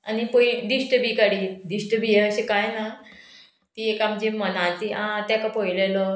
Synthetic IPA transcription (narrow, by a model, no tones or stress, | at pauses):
anipoiɖisʈəbiːkaɽiɖisʈəbijeəɕekajna | t̪iekamd͡ʑimənat̪iʔãt̪jakapojlelɔ